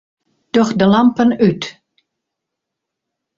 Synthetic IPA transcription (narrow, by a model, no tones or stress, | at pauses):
d̥ɔxdəlampənyt